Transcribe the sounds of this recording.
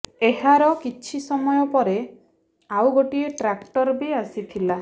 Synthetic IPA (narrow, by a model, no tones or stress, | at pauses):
eɦaɾɔkit͡ʃʰisɔmɔjɔpɔɾe | awɡoʈieʈɾakʈɔɾbiasit̪ʰila